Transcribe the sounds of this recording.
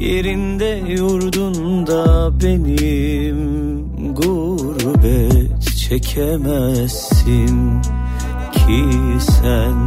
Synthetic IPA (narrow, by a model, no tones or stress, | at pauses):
jeɾind̪ɛ | juɾd̪und̪abenim | ɡu | ɾbɛt̪t͡ʃʰɛcʰɛmɛsːim | cʰisæn